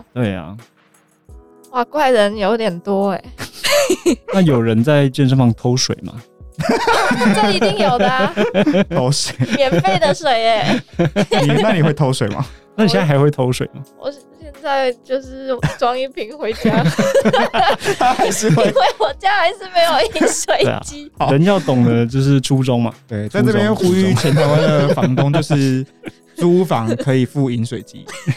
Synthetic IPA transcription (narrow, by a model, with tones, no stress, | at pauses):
t̪we˥˩ɪɐ̰˩ | wa˥˩kwa˥˩ɪɻə˧˥n˨jo˧˥ʊt̪jɛ˨˩nt̪wɔ˥e˨˩ | na˥˩jo˨˩ʊɻə˧˥nt͡sa˥˧ɪt͡ɕjɛ˥˧nʂ̬ə˥˧ŋfɑ˥˩ŋt̪ʰo˧˥ʊʂwḛ˨˩ɪmɐ̰˨˦˥ | ŋjo˩˨˩ə | o˧˥ʊʂwe˨˩mjɛ˨˩nfee˥˩ɪd̪ə˨ʂwe˨˩ɪe˧˦ | i˨na˥˩˨li˨˩xwe˥˩ɪt̪ʰo˧˥ʊʂwe˨˩ɪmɐ̰˦na˥˩i˧˥a˥˩xɪxwe˥˩ɪt̪ʰo˧˥ʊʂwe˨˩ɪlə̰˦wɔ̰˨˩ɕjɛ˥˧nt͡sa˥˧ɪt͡ɕjo˥˧ʊʂɻ̩˥˩t͡swɑ˥ŋi˥˩pʰi˧˥ŋxwe˧˥ɪt͡ɕja˥ | a˥xa˧ɪʂɻ̩˥˧xwe˥˧˩xwe˧˥˦wɔ˨˩t͡ɕja˥xa˧˥ɪʂɻ̩˥˩me˧ɪjo˨˩ʊi˦nswe˨˩ɪḛ˧˩˨t͡ɕi˥˨˦ɻə˨˦njɑ˥˩ʊt̪ʊ˨˩ŋd̪ə˦t͡ɕjo˥˧ʊʂ̬ɻ̩˥˩ʈ͡ʂʰu˦ʈ͡ʂʊ˥ŋmɐ̰˨˩t̪we˥˩ɪt͡sa˥˧˥ʈ͡ʂɤ˥˩pjɛ˥˦jo˥˩ʊxu˥yy˥˩t͡ɕʰjɛ˧˦nt̪ʰa˧˥ɪwa˦˥nd̪ə˨fɑ˧˦ŋkʊ˥ŋt͡ɕo˥˧ʊʂɻ̩˥˩ | ʈ͡ʂu˥fɑ̰˧˥ŋkʰɤ˧˥i˨˩fu˥˩i˧˥nswe˨˩ɪt͡ɕḭ˦˥